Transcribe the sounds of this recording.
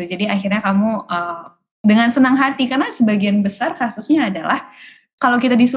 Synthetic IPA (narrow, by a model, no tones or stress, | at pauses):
ud͡ʒadiaxirɲakamuʔə | dəŋansənaŋɦat̪ikarnasəbaɡianbəsarkasusɲaːdalah | kalawkit̪adisu